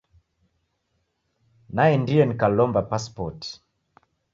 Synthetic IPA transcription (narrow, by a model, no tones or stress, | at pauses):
najɛndiɛnikalɔmbapaspɔt